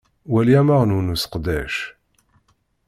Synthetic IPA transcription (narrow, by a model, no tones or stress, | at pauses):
wæljæmaʁnunusqd̪æʃ